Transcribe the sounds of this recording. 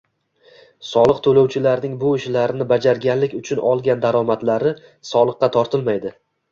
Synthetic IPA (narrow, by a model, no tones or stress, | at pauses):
sɒlˠɨqt̪ʰolowt͡ʃʰɪlaɾnɪŋbʊɪʃlaɾɪnɪbad͡ʒaɾɡʲanlːɪkʲʊt͡ʃʰʊnɒlˠɡʲand̪aɾɒmat̪laɾɪ | sɒlˠɨqːɑt̪ʰɒɾt̪ʰɪlmajd̪ɪ